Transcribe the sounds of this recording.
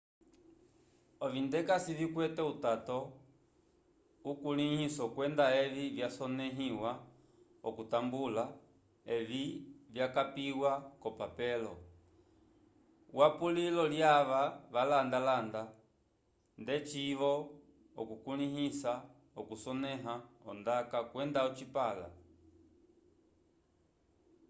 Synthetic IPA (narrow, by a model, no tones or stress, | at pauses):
ɔvindɛkasivikwɛtɛutatɔ | ukulihisɔukwɛndaɛvivjasɔnɛɦiwa | ɔkutambula | ɛvivjakapiwakɔpapɛlɔ̰ | wapulilɔljaʋaʋalandalanda | ndɛt͡ʃiʋɔ | ɔ̰kukuniɦisa | ɔkusɔnɛɦaɔndakakwɛndaɔt͡ʃipala̰